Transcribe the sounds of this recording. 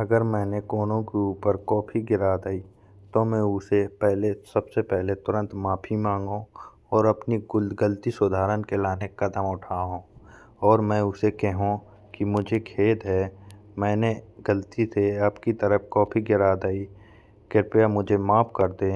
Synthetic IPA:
ɐɡəɾmɛ̃ːnekɔːnõkeuːpəɾkɔːpʰiɡɪɾaːd̪aːi | t̪omɛ̃ʊsepɛɦlesɐbsepɛɦlet̪ʊɾə̃nt̪maːpʰimãːŋɡõ | ɔːɾɐpniɡʊlɡəlt̪isʊd̪ʱaːɾənkelaːnekɐd̪əmʊʈʰaɦõː | ɔːɾmɛ̃ʊsekɛɦũ | kimʊd͡ʒʱekʰeːd̪ɦɛ | mɛ̃ːneɡəlt̪iseaːpkit̪əɾəpkɔːpʰiɡɪɾaːd̪aːi | kɪɾpjamʊd͡ʒʱemaːpʰkəɾd̪eː

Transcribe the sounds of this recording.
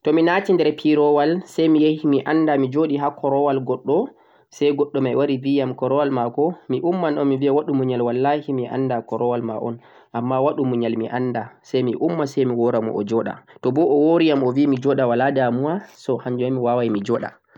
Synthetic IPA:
tɔminatindɛɾpʰiɾɔwalsɛjmijehimiʔanːdamid͡ʒoɗiɦakʰɔɾɔwalɡɔɗːɔ | sajɡɔɗːɔmajwaɾivijamkɔɾɔwalmakɔmiʔumːanɗɔmiviawaɗumuɲalwalːahimiʔa̰ndakɔɾɔwalma̰ʔɔ̰n | ʔamːawaɗumuɲalmiʔanːdasɛjmiʔumːasɛjmiwɔɾamɔ̰ʔɔ̰d͡ʒɔɗa̰tɔbɔʔɔwoɾijamɔvimid͡ʒɔɗawaladamuwasɔhaɲd͡ʒuamːiwawajmid͡ʒɔɗa̰

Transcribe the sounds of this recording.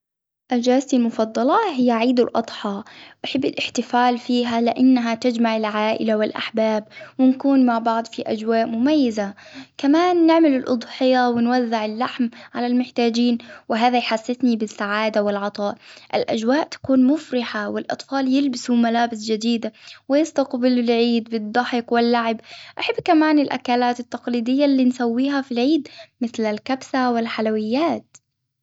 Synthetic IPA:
ʔad͡ʒaːsimʊfɑd̪ˤːɑlɑɦɪjːaʕiːd̪ɪ̰lʔɑ̰d̪ˤħɑːʔaħɪbːɪlʔɪħt̪ɪfaːlfiːɦalɪʔanːaɦat̪ad͡ʒmaʕɪlʕaːʔɪ̰lawɪlʔa̰ħbaːb̚wɪnkuːnmaʕbɑʕd̪ˤfiʔad͡ʒwaːʔmʊmajːazakamaːnːɪʕmɪlɪlʔʊd̪ˤħɪjawɪnwazːɪʕɪlːaħmʕa̰lalmʊħt̪aːd͡ʒiːnwɪɦaːðajħasːɪθnibɪsːaʕaːd̪awɪlʕɑt̪ˤɑːʔʔɪlʔa̰d͡ʒwaːʔt̪ḁkuːnmʊfɾɪħawɪlʔɑ̰t̪ˤfɑːljɪlbɪsumalaːbɪsd͡ʒad̪iːd̪awɪjɪst̪aqbɪlɪlʕiːd̪bɨd̪ˤːɑħɪqwɪlːaʕɪbʔaħabːkamaːnɪlʔa̰kaːlaːt̪ɪt̪ːɑqliːd̪ɪjːalːiːnsawːiːɦafilʕiːd̪mɪθlalkabsawɪlħalawɪjːaːt̪

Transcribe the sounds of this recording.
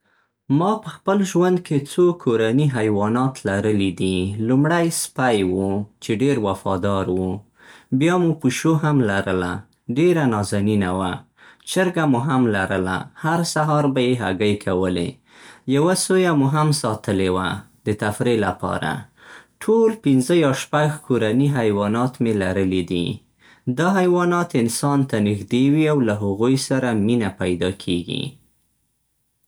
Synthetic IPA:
mɑpəxpəlʒwand̪̚kʰet͡sokʰoɾaniɦajwɑnɑt̪laɾəlid̪ilumɽajspajwut͡ʃeɖeɾwafɑd̪ɑɾwu | bjɑmupuʃoɦamlaɾəla̰ | ɖeɾanɑzaninawa | t͡ʃəɾɡamuɦamlaɾəla̰haɾsaɦɑɾbajeɦa̰ɡajkʰawəlḛ | jawasojamuɦamsɑt̪əlewa̰ | d̪ət̪afɾelapɑ̰ɾa̰ | ʈʰolpɪnzəjɑʃpaɡkʰoɾaniɦajwɑnɑt̪melaɾəlid̪ḭ | d̪ɑɦajwɑnɑt̪ɪnsɑnt̪anixd̪ewiawlaɦaɣujsaɾaminapajd̪ɑkʰeɡḭ

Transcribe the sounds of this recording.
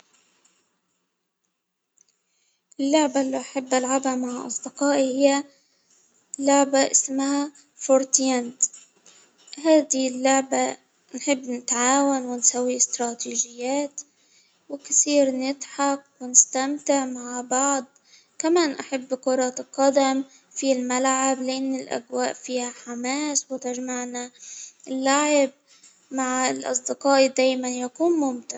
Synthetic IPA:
ʔɪlːʊʕbaʔlːiʔaħabːʔalʕabamaʕʔɑ̰sˤd̪ɪqɑːʔihɪjːa | lːʊʕbaʔɪsmha | foɾt̪jand̪ | ɦaːd̪ɪlːʊʕba | nħɪbːnɪt̪ʕaːwanwɪnsawːiɪst̪ɾˤɑːt̪iːʒɪjːaːt̪ | wɪksiːɾnɪt̪ħɑqwɪnɪst̪amt̪ɪʕmaʕbɑʕd̪ˤ | kamaːnʔaħabːqʊɾˤɑt̪lqɑd̪am | filmalʕablɪʔɪnːɪlʔa̰ɡwaːʔfiːhaħamaːswɪt̪ɪʒmaʕnalːaʕɪb̚ | maʕlʔɑ̰sˤd̪ɪqɑːʔid̪aːjmanjakuːnmʊmt̪ɪɾ

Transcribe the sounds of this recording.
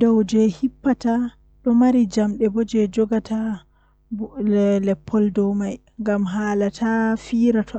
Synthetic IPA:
dɔwd͡ʒɛhipːata | ɗɔmaɾid͡ʒamɗɛbɔd͡ʒɛd͡ʒɔɡatʰa | lɛpʰːɔldɔwmaj | ŋɡamɦaːlatʰafiːɾatʰɔ

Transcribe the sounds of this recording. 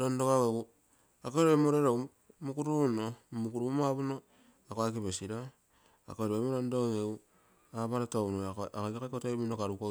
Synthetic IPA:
ɾondokaweɡu | akoeɾeemoɾeɾo | mukuɾunomukuɾumaβuno | akoakiβesiɾa | a̰koɾemoɾondoeŋeu | aβaɾatounoakoɡekekotominokaɾuko

